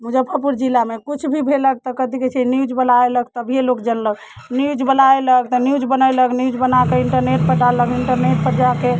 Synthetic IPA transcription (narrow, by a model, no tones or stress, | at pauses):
mud͡ʒəbpʰəpuɾd͡ʒilamekut͡ʃʰbʱibʱelək̚t̪ɔkəd̪iket͡ʃʰinjud͡ʒbəlaeləɡ̚t̪əbʱijelokd͡ʒənləɡ | njud͡ʒbəlaeləɡt̪ɔnjud͡ʒbənəeləknjud͡ʒbənakeiɳʈəɾneʈ̚pəʈaləkiɳʈəɾneʈ̚pəɾd͡ʒake